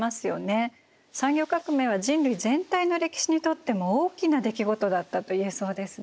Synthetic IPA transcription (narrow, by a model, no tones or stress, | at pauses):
masɨjo̞̰ne̞ | sãŋɡʲo̞kakɯ̟me̞ːβaʑĩnɾɯ̟izẽ̞nt̪aino̞ɾe̞kʲi̥ɕiɲ̟it̪o̞t̪ːe̞mo̞oːkʲinad̪e̞kʲiɡo̞t̪o̞d̪at̪ːat̪o̞ieso̞ːd̪e̞sɨ